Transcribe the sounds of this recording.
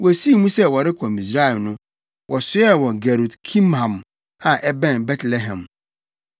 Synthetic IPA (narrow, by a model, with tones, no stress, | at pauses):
wɔ˨æ˨si˦˨˦mũ˦sɛ˦wɔ˨ɾɪ˦kʰɔ̃˨mi˨s̬ɾa˦ɛ˨lnʊ̃˦ | wʔɔ˨sʊ˦ɛ˦wɔ˨ɡæ˨ɾu˨dkʰĩ˦mhã˨m | ã˨ʔɛ˦bɛ̃˦˨nbɛ˦tʰlɛ˦ɦɛ̃˨m